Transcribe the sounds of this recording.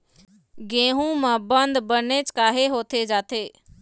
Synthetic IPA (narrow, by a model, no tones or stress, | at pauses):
ɡẽːɦũmə̃bənd̪bənet͡ʃkaːɦeɦoːt̪ʰed͡ʒaːt̪ʰeː